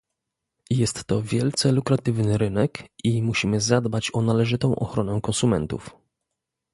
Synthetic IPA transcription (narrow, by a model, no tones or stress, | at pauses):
jɛst̪ːɔvʲjɛlt̪sɛlukɾat̪ɘvnɘɾɘnɛkimuɕimɘzad̪bat͡ɕɔnalɛʐɘt̪ɔ̃w̃ʔɔ̰xɾɔnɛkɔnsumɛnt̪ṵf